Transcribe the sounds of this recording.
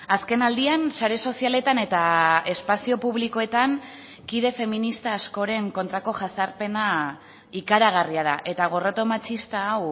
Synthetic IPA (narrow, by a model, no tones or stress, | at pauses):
aske̞nald̪iansaɾe̞so̞siale̞t̪ane̞t̪ae̞spasio̞puβliko̞e̞t̪aŋ | kiðe̞fe̞minist̪aːsko̞ɾe̞ŋko̞nt̪ɾako̞ʝasaɾpe̞na | ikaɾaɣ̞ariað̞aʔe̞t̪aɣ̞o̞rot̪o̞mat͡sist̪aːw